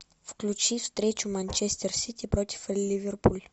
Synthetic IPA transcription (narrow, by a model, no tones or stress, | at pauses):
fklʲut͡ʃist̪ɾet͡ʃumant͡ʃest̪ersit̪ipɾot̪i̥fliverpul